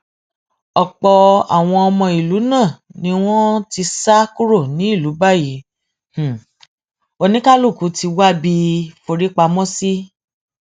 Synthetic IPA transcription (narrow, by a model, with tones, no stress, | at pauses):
ɔ˨k͡pɔ˧a̰˨w̃ɔ̃˧ɔ˧mɔ̃˧i˨lu˨˦nã˦˨nĩ˦w̃ɔ̃˦ti˧sa˦ku˦ɾo˦˨nĩ˨˦i˦˨lu˨˦ba˦˨ji˨˦ | h̩˨ | o˧nĩ˦ka˦lu˦˨ku˨˦ti˧wa˦bi˧fo˧ɾi˦k͡pa˧mɔ̃˦si˦